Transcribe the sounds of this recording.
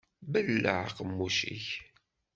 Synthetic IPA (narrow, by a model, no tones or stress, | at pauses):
bəlːə̰ʕqəmːuʃḭç